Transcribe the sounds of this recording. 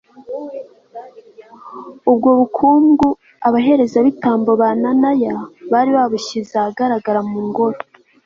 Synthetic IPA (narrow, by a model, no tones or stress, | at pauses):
ub̚ɡo̞ːβukʰuːmɡu | aβaɦe̞ɾe̞zaβitaːmboβananajaβaɾiβaβuʃizaɡaɾaɡaɾamuːŋɡoɾo